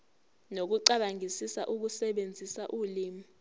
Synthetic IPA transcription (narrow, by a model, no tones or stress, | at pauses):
nok̬uǀaɓaŋʱisisa̰ʔuk̬usɛɓend͡zʱisaʔuːliːmi